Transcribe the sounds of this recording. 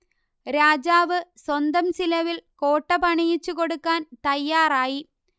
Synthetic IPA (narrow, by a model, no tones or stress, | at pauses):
ɾaːd͡ʑaːʋɨswɐnd̪ɐmsilɐʋilko̞ːʈːɐpɐɳijit͡ɕːuko̞ɽukːaːnt̪ɐjːaːraːji